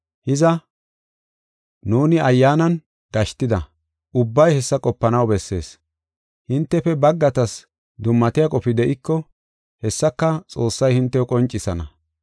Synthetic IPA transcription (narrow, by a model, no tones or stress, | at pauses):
hɪzɐ | nuːnɪɐjːaːnɐn | ɡ̥ɐʃt̪ɪd̪ɐ̰ | ʔʊbːɐjhɛsːɐkʼɔpːɐnɐwbɛsːe̞̰ːs | hɪnt̪ːɛfɛbɐɡːɐt̪ɐs | d̪ʊmːɐt̪ɪjɐkʼɔfɪd̪ɛʔɪkːɔ | hɛsːɐkːɐt͡sʼo̞ːsːɐjhɪnt̪ːɛɔkʼɔnt͡ʃʼːɪsɐnɐ̰